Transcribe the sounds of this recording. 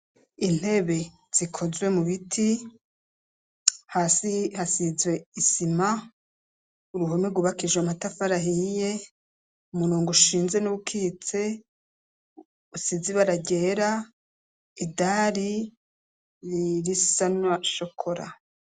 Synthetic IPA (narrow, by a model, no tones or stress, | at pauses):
in̥he̞βe̞ | z̥ikʰo̞zwe̞muβitʰi | hasihasizwe̞isima | uɾuɦo̞meɡuβakiʒwamatafaɾaɦije̞ | umuɾuːŋɡuʃiːnze̞nuβukʰit͡se̞ | usiziβaɾaɟe̞ːɾa | idaɾi | ɾiɾisanwaʃokʰo̞ɾa̰